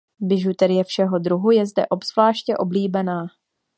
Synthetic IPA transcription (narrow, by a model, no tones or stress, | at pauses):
bɪʒut̪ɛɾɪjɛfʃɛɦo̞d̪ɾuɦujɛzdɛ̰ʔo̞bz̥vlaːʃcɛʔo̞bliːbɛnaː